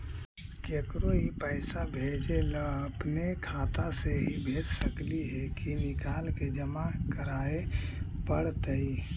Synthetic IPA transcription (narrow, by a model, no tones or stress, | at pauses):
keːkɾoɦipəɪsabʱed͡ʒeləːpnekʰaːt̪aseɦibʱeːd͡ʒsəkliɦɛkinɪkaːlked͡ʒəmakəɾaːepəɽt̪əi